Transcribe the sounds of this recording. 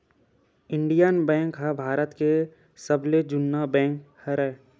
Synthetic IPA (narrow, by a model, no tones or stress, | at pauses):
ɪɳɖijanbɛ̃ːŋkɦɛbʱaːɾət̪ke | səbled͡ʒʊnːabɛ̃ːŋkhəɾɛː